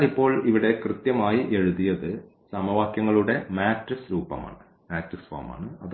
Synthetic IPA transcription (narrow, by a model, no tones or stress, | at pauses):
lipːo̞ːɭiʋiɽe̞krɨt̪jɐmaːjiʔe̞ɻuðijɐðɨ | sɐmɐʋaːkjɐŋːɐɭuɽe̞maːtrisɾuːpːɐ̰ma̰ːɳɨ | maːtrisfa̰ːma̰ːɳɨɐð